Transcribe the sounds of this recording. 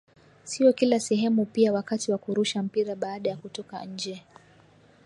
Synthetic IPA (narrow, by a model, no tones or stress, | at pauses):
siɔkilasɛɦɛmupiawakatiwakuɾuʃam̩piɾaɓaːɗajakutɔka̰ɲ̩d͡ʒɛ